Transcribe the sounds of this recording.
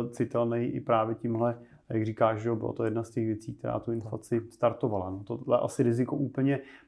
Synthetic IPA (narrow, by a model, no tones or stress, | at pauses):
t͡sɪt̪ɛlnɛjʔɪ̰pɾaːvjɛcɪmɦlɛ | jaɡriːkaːʃʒɛo̞bɪ̰la̰t̪o̞jɛdnascɛxvjɛt͡siːk̚t̪ɛɾa̰ːt̪uɪnfla̰t͡sɪst̪aɾt̪o̞valanot̪oɛʔa̰sɪɾɪzɪko̞̰ʔuːpl̩ɲɛ